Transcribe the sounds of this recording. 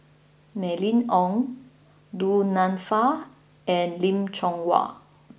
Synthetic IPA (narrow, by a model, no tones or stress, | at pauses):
mɛlĩnɔ̃ŋ | dunãnfa | ɛ̃nlĩmt͡ʃɔ̃ŋwa̰